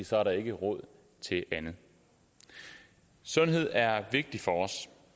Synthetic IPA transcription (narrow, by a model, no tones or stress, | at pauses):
sɒ̽æɐɾɑ̈e̝ɡ̥əʁɔ̽ð̞̰ˠ | t͡sʰe̝ʔænð̩ˠ | sɔ̽nɦe̝ð̞̰ˠæɐʋe̝ɡ̥̚d̥ifɒ̽ɒ̽s